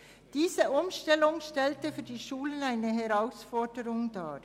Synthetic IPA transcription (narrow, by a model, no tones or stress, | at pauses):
d̥iːzəʔʊmʃtɛlʊŋʃtɛltəfyːɐdiːʃuːlənaɪnəɦɛʁaʊsfɔɹdəɾʊŋda̰ː